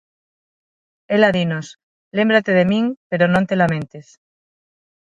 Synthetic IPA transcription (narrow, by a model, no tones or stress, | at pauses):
elaðinos | le̞mbɾat̪eð̞emiŋpeɾonõnt̪e̞lamẽ̞nt̪es